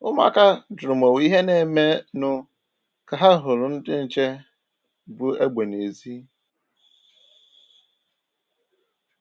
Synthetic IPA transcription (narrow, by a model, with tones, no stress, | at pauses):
ʊ˦ma̰˦ka˦dʊ˨ʊ˨m˨o˨wi˦ɦe˦ne˨me˦nʊ˨ | ka˨ɦa˦ɦʊ˨lʊ˨n̩˦dɪ˦n̩˨t͡ʃe˦ | bʊ˨e˦ɡ͡be˨ne˨zi˦